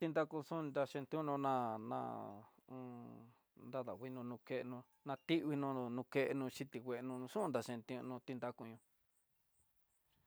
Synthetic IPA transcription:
t̪i˧nd̪a˦ku˧sũ˦˧nd̪a˧ʃẽ˧nt̪ĩ˧˦nõ˧nã˧nã̰˧ | nd̪a˦ða̰˨wi˧nũ˧nũ˧ke˦˧ʔnũ˧ | nã˧t̪i˦ʔβi˧nũ˧nũ˧ke˧ʔe˧nũ˧ʃi˧t̪i˨wʷe˧ʔnũ˧ʂũ˦˧nd̪a˧ʃẽ˧nt̪ĩ˧˦˧nũ˧t̪i˧nd̪a˧ku˧ɲũ˧

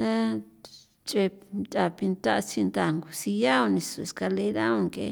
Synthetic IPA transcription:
t̪a˦ | t͡ʃʼe˧t̪a˨pi˧nt̪a˦ʔt͡si˧nd̪a˧˨ŋɡu˨si˧ja˦o˧nĩ˧su˧˨e˨ska˧le˧˦˧ɾa˦õ˧ŋkḛ˧

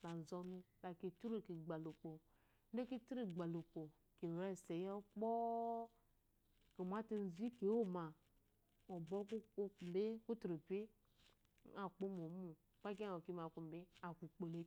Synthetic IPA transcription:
la˨n̩˨zɔ˦nu˦la˨ke˨tu˦ɾo˦˨ki˨ɡ͡ba˨lu˨k͡po˨ | n̩˦de˦ki˦tu˦ɾi˦˨ɡ͡ba˨lu˨k͡po˨ | ke˨ɾɛ˦˨se˨jɔ˦k͡pɔ˦ | ke˨mʷ˨a˦te˦n̩˨˦˨zi˦ke˨˦wo˦ma˨ | o˨bo˦ku˦ko˦˨m˨be˦ku˦tɾo˨pe˦ | a˨k͡po˦m˨o˨˦mu˨ | k͡pa˦k̬a˦˨o˨ki˨ma˨ku˨m˨be˦a˨ku˨k͡po˨le˨˦

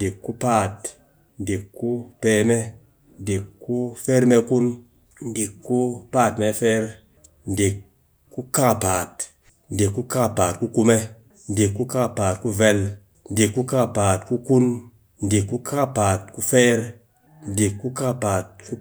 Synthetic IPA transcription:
n˨di˨kːu˦paː˦˨t | n˨di˨kːu˦peː˧me˦ | n˦di˨kːu˦fe˦ɾme˧ku˦n | n˨di˨kːu˦paː˦˨tme˧fɛː˦ɾ | n̩˨di˨kː | u˦ka˦˨paː˨t̚ | n̩˨di˨kːu˦ka˦˨paː˨t̚ku˦ku˧me˦ | n˨di˨kːu˦ka˦˨paː˨t̚ku˦ve˧l | n˦di˨kːu˦ka˦˨paː˨tku˦ku˦n | n˨di˨kːu˦kʰa˦paː˨t̚ku˦fɛ˦ɾ | n˨di˨kːu˦ka˦˨paː˨t̚ku˦

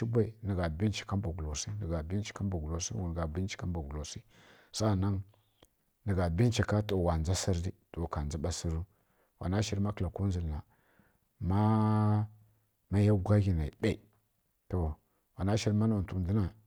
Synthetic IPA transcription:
i˦bʷa˦i˨nə˨ɡa˨bi˦n˦t͡ʃi̥˨ka˦mba˨ɡu˨lo˨si˦nə˨ɡa˨bi˦t͡ʃi̥˨˦ka˦mba˨ɡu˨lo˨sḭ˦wn˨ɡa˨bi˦nt͡ʃi̥˨˦ka˦ba˨ɡu˨lo˨si˦ | sa˦˨na˦ŋ | nə˨ɡa˨bi˦n˦t͡ʃi˨ka˦to˨wa˨n˨za˦si˦ɾdi˦to˨ka˨nza˦ɓa˦si˦ɾu˦ | wa̰˨na˦ʃi˦ɾma˦kla˨ku˦nzi˨lna˨ | ma˦ | ma˦ja˦ɡʷa˦ɡi˨na˨i˨ɗa˦˨i˨ | to˨ | wa˨na˦ʃi˦ɾma˦na˨tu˨di˦na˨

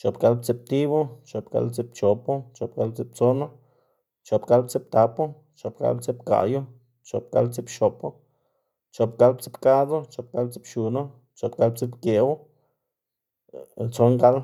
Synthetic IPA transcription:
t͡ʃo˨pɡa˧˦lb̚t͡si˧p̚t̪i˦βo˦t͡ʃo˨pɡa̰˧˦lt͡si˧˦pt͡ʃo˨po˦t͡ʃo˨p̚ɡa˧˦l̚t͡si˧˦p̚t͡so˦no˦ | t͡ʃo˨pɡa˧lb̚t͡si˦p̚t̪a˨˧po˦ | t͡ʃo˨pɡa̰˦lbt͡si˦pka̰˨jo˦ | t͡ʃo̰˨p̚ɡa˧˦lt͡si˦pʃo˨po˦ | t͡ʃo˨pɡa˧˦lbt͡si˦pka˦d̪o˦t͡ʃo˨p̚ɡa˦lbt͡si˦pʃu˨no˦ | t͡ʃo˨pɡa˧˦lbt͡si˦pkje˨wo˦ | t͡so˦ŋɡa˦l

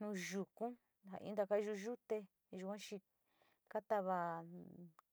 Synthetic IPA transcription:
nũ˧ʒu˨kũ˦ | ha̰˨ʔḭ̃˧˦nd̪a˧ka˦˧ʒu˧ʒu˦t̪e˧ | ʒu˧kʷã˦t͡ʃi˧ | ka˦t̪a˦βa˧

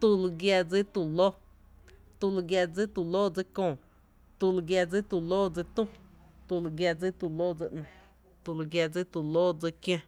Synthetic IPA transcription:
t̪u˧lu˧ɡja˧d͡zi˦t̪u˨lo˦ | t̪u˧lu˧ɡja˧d͡zi˦t̪u˧˨lo˦d͡zi˧kõː˧˨ | t̪u˧lu˧ɡja˧d͡zi˦t̪u˧˨loː˦d͡zi˧t̪ũ˦ | t̪u˧lu˧ɡja˧d͡zi˦t̪u˧lo˦d͡zi˧ʔnã˧˨ | t̪u˧lu˧ɡja˧d͡zi˦t̪u˨lo˦d͡zi˧kj̃ã˧

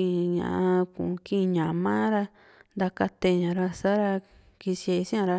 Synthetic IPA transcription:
ĩ˧ɲã̰˨ʔkṵ̃˨˧kĩ˦˧ɲã˨˧mã˦ɾa˧ | nd̪a˧ka˧t̪e˧ɲã˨ɾa˧sa˦ɾa˧ | ki˧se˧sĩ˦ã˧ɾa˧

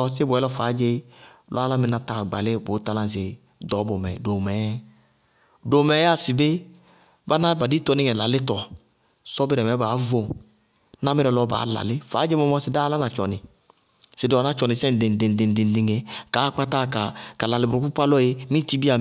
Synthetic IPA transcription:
ɔ˧se˦bʷwɛ˨˦lɔ˦faː˨˦d͡ʒe˦lʔɔ̰˦a˦la˦mi˨na˧ta˨ɡ͡ba̰˨lɪ˦bo˨˦ta˧lã˦˨s̬ɪ˨ | dɔ˨˦bɔ˨mɛ̰˨do˨mɛ˨˦ | do˨mɛ˨˦a˦˨si˨be˦ | ba˦na˦ba˨di˦tɔ˨nɪ˦ŋɛ˨la˨lɪ˦tɔ˨ | sɔ˦bɪ˦ɾɛ˨mɛ˨˦baː˨˦vo˨ | na˦mɪ˦ɾɛ˧lɔ˧˦ba̰ː˨˦la̰˨lɪ˦fa̰˨˦d͡ʒe˦mɔ˧mɔ˦sɪ˨da˦la˦na˨t͡ʃɔ̰˨nɪ˨ | sɪ˨dɔ˨na˦t͡ʃɔ˨nɪ˨sɛ˦n˨de˨ŋ˨de˨di˨n˨di˨n˨di˨ŋe˨ka˨˦k͡pa˦ta˦ka˨ka˨la˨lɪ˨bɾu˨ku˦pa˦lɔ˦je˦mĩ˦ti˦bi˦a˨

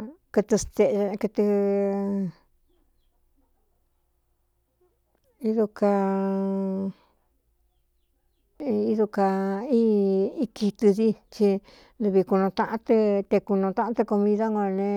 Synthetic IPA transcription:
kɨ˧t̪ɨ˧st̪e˧kɨ˧t̪ɨ˧ | i˦ðu˧ka˧ | i˦ðu˧ka˧i˦i˦ki˧t̪ɨ˧ði˦t͡ʃi˧ | lu˧βi˧ku˧nõ˧t̪ã˧ʔã˦t̪ɨ˧t̪e˧ku˧nõ˧t̪ã˦ʔã˦t̪ɨ˧ko˧mĩ˧ða˦ŋõ˧nẽ˧

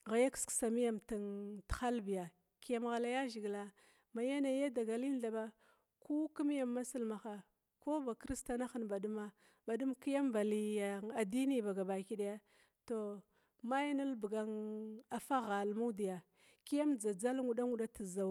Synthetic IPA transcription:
ɣa˨ja˦ksksa˨mi˦ja˨mta˨ntxa˦lbi˨ja˨ | ki˦ja˦mɣa˨la˦ja˦ʒi˨ɡla˨ | ma˨ja˦na˨˦ja˦da˨ɡa˨li˦n˦ɬa˨ba˦ | ku˦ku˦m˦ja˨mːa˦si˦lma˨xa˨ | ko˦ba˨kɾi˦sta˨na˦xə˨nba˨du˦ma˦ | ba˨du˦mki˦ja˦mba˨li˨ja˨a˨di˦ni˦ba˨ɡa˨ba˨ki˦ɗa˦ja˦ | to˨ | ma˦jna˦lbɡa˦ŋa˨fa˦ɣa˨lmu˦di˨ja˨ | ki˦ja˦md͡za˨d͡za˦lŋu˨ɗa˦ŋu˨ɗa˦ti˨za˨

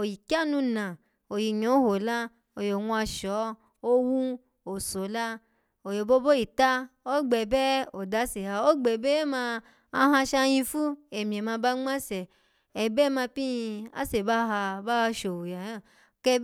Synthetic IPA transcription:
o˨ji˨ki˦a˦˨nũ˧nã˨ | o˨ji˨ɲ˨õ˨˦ho˨la˦ | o˨jo˨wũ˧a˧ʃɔ˨˦ | o˦wu˦ | o˨so˨˦la˦ | o˨jo˨bo˦bo˦i˨ta˦o˦ɡ͡bɛ˨bɛ˦o˨da˨˦se˨ha˧o˦ɡ͡bɛ˨bɛ˦mã˧ | a˧˦ɦã˧ʃa˧jĩ˧fu˦e˨mĩ˨e˨mã˧ba˦ŋ͡mã˦sɛ˨ | ɛ˨bɛ˦mã˧pĩ˦˧a̰˦se˨ba˦ɦa˧ba˦˧ʃo˨wo˨ja˨jã˦˨ | kɛ˧

